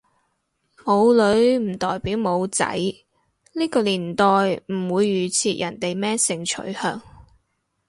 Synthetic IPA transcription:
mo˨˧wlɵ˨˧˥ɥm̩˨˩t̪ɔː˨jpiː˨˥wmo˨˧wt͡sɐ̰˨˥j | liː˥kɔː˧liː˨˩nt̪ɔː˨jm̩˨˩wuː˨˧jːyː˨˩t͡sʰiː˧t̚jɐ˨˩nt̪e˨jmɛː˥sɪ˨˧ŋt͡ʃʰɵ̰˨˥ɥhœː˧ŋ

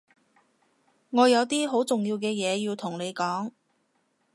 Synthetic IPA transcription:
ŋɔː˨˧jɐ˨˧wt̪iː˥ɦo˨˥wt͡sʊ˨ŋjiː˧wkɛː˧jɛː˨˧jiː˧wt̪ʰʊ˨˩ŋne˨˧jkɔː˨˥ŋ

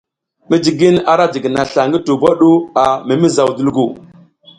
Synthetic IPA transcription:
mi˦d͡ʒi˨ɡi˦na˦ɾa˦d͡ʒi˨ɡi˨na˨ɬa˨ŋɡi˦tu˨ba˦ɗu˦a˨mi˨mi˦za˨wdu˦lɡu˨

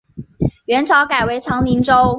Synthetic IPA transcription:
ɥɛ˧˥nʈ͡ʂʰɑ˧˥ʊka˨˩ɪwe˧˥ɪʈ͡ʂʰɑ˧˥ŋli˧˥ŋʈ͡ʂo˥ʊ

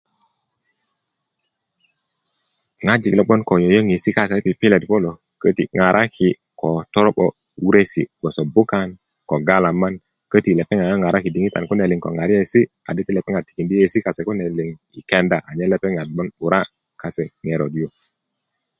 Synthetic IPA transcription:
ŋa˦d͡ʒi˨klo˨ɓo˦nko˨jo˨jo˦ŋi˨si˦ka˦se˨˦pi˨pi˦le˨tpo˦lo˨ | kə˦ti˨ŋa˨ɾʔa˦kʰi˨ | ko˨to˦ɾo˦ɓo̰˨ | wu˦ɾe˦sḭ˨ɡ͡bo˨so˨bu˦ka˦n | ko˨ɡa˦la˨mːa˦n | kə˦ti˨le˨pe˦ŋa˨ja˦ŋa˨ɾa˦ki˨di˨ŋi˦ta̰˨nku˦ne˨li˨ŋko̰˨ŋa˨ɾi˦je˦˨si˦ | a̰˨di˦ti˦le˨pe˦ŋa˨ti̥˨ki˨ndi˦e˨si˦ka˨se˨ku˦ne˨li˨ŋ | ḭ˨ke˦nda˨a˨ɲe˦le˦pe˦ŋa˨d̚ɓo˦nu˨ɾa˦ | ka˨se˨ŋe˨ɾo˨di˦jo˨

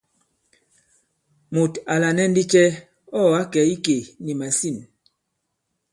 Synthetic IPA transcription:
mu˨ta˨la˨nɛ˦n̩˦di˦t͡ʃɛ˦ | ɔ˦˨a˦kɛ˨˦i˦ke˨ni˨ma˨si˦˨n

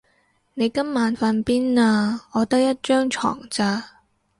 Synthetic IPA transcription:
ne˨˧jkɐ˥mːaː˨˧nfɐ˧npiː˥naː˧ɔː˨˧t̪ɐ˥k̚jɐ˥t̚t͡ʃœː˥ŋt͡ʃʰɔ̰ː˨˩ŋt͡saː˧

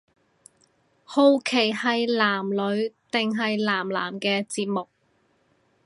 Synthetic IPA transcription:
ho˧wkʰe˨˩jhɐ˨jlaː˨˩mlɵ˨˧˥ɥt̪ɪ˨ŋɦɐ˨jlaː˨˩mla̰ː˨˩mkɛː˧t͡siː˧t̚mʊ˨k̚

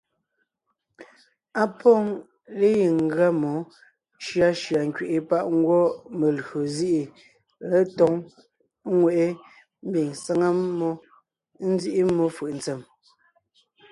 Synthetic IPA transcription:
a˦pɔ˦ŋ | le˦ji˨ŋ̩˨ɡɰa˦mɔ˨˦ | ʃɰa˦ʃɰa˨ŋ̩˨kɥe˨ʔe˨pa˦˨ʔŋ̩˦ɡwɔ˦me˨lho˨zi˦ʔi˨ | le˦tɔ˦ŋ˦ | ŋwe˨ʔe˦ | m̩˦bi˨ŋsa˦ŋa˦mɔ˦ | n̩˦zi˦ʔi˦mːɔ˦fɯ˨ʔn̩t͡sɛ˨m

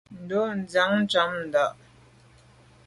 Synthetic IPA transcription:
n̩˨do˦n̩˦d͡za˨˦ŋn̩˦t͡ʃa˨˦mn̩˨da˦˨ʔ

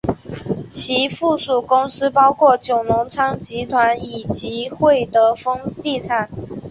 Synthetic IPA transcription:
t͡ɕʰi˧˥fu˥˩ʂu˨˩kʊ˥ŋsɹ̩˥pɑ˥ʊkʰwɔ˥˩t͡ɕjo˨˩ʊnʊ˧˥ŋt͡sʰɑ˥ŋt͡ɕi˧˥t̪ʰwa˧˥ni˨˩t͡ɕi˧˥xwe˥˩ɪt̪ɤ˧˥˦fɤ˥ŋt̪i˥˧t͡sʰa˨˩˦n

